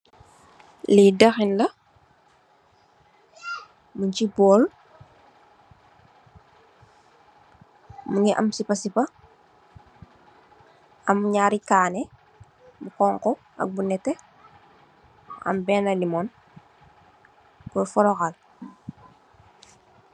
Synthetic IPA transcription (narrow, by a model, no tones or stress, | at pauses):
lidɐxinlɐ | muɲt͡ʃibɔːl | muŋɡiʔɐ̰msipɐsipɐ | ɐmɲaːɾikaːnɛ | bukɔːŋkɔ | ɐ̰k̚bunɛtːɛ | ɐ̰mbɛːnɐlimɔn | kɔfɔɾɔxal